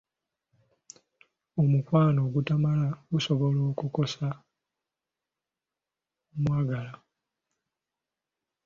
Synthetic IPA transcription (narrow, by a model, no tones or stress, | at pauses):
omukwaːno̞ːɡutamalaɡuso̞βoloːkuko̞sa | mwaːɡala